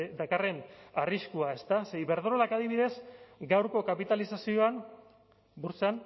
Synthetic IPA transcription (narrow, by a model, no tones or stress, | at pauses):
d̪akare̞nariskuae̞st̪aseβe̞ɾðoɾolakaðiβ̞iðe̞zɡawɾko̞kapit̪alisasio̞an | buɾsan